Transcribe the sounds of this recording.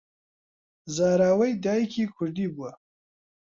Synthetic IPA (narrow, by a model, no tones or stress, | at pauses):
zaːɾaːwɐjd̪aːjkʰikʰʊʐd̪ibua